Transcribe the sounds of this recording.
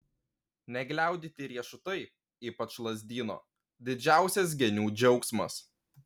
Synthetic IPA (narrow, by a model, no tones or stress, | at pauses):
nʲɛɡlʲæˑʊd̪ʲit̪ʲɪɾʲiɛʃʊt̪ɐɪ | iːpɐt͡ʃlˠɐzʲd̪ʲiːno̰ː | d̪ʲɪd͡ʒʲæˑʊsʲɛs̬ɡʲɛnʲuːd͡ʒʲɒʊksmɐ̰s